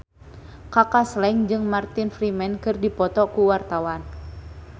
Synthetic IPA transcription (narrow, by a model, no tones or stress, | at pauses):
kakaslɛŋd͡ʒɨŋmart̪infɾimɛnkɨrdipɔt̪ɔkuwart̪awan